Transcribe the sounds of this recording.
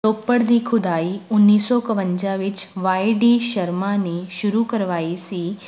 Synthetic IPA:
toːpːəɽd̪iːkʰʊd̪aːiʊnːiːsɔkɐʋə̃ɲd͡ʒaʋɪt͡ʃʋaːiɖiːʃɐɾmaneʃʊɾukəɾʋaːisiː

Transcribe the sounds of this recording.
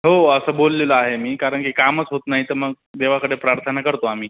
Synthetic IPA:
ɦoəsəbolːeləaɦemiːkaɾəɳkikamət͡sɦot̪naɦit̪əɾməɡ̚ | d̪eʋakəɽepɾaɾt̪ʰənakəɾt̪oam̤iː

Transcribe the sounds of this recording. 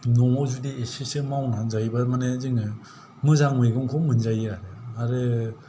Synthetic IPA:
nɔŋɔwzudiesisɯmawnanzajbamanezɯŋɯ | mɯzaŋmeɡɯŋkʰɔmɯnzajaɾeaɾɯ

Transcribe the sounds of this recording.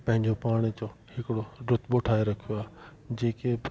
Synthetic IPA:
pɐ̃ɦɪ̃ɲd͡ʑopaːɽ̃t͡ɕohɪkɪɽoɖʊt̪ʰboːʈʰaːeɾɐkʰijoaːɦ | d͡ʑeːke

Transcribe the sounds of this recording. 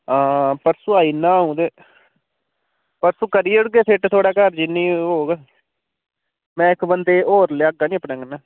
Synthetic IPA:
ãːpəɾsʊaːiːnãːɦũːd̪eː | pəɾsũːkəɾiʊɽɡeːpʰɪʈt̪ʰoːɽaːkəɾd͡ʒɪnːĩːɦoːɡ | mɛ̃ːɪkbənd̪eːoːɾleːəɡaːnĩːəpnãːŋɡnaː

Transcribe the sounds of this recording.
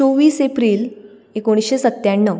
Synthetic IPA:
oʋiːsepɾiːl | ekoɽ̃ɕesət̪ːjaɳːə

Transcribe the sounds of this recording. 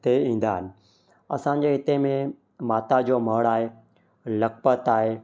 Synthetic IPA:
t̪eĩːn̆d̪aːɦɪnɪ̆ | ɐ̰sã̆ːd͡ʑeːɦɪt̪emẽ | maːt̪ad͡ʑoːməɽaːɦeː | lɐk̚pət̪aːɦeː

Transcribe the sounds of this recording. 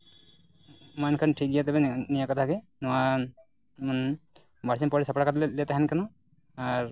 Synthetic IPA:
mankʰanʈʰik̚ijat̪ɛbɛnijakɔt̪ʰakɛ | nɔwa | n | baɽs̬inpɔɾɛsapɽakat̪̬llɛt̪aɦanikanɔ | aɹ

